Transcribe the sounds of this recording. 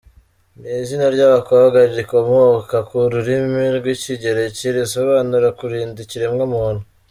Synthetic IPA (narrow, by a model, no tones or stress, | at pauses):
niːzinaɾɟaβakoβaɡaɾiɾikomhokakuɾuɾimiɾɡwiciɟe̞ɾe̞ciɾiso̞βaːnuɾakuɾiːndiciɾemŋomuhonu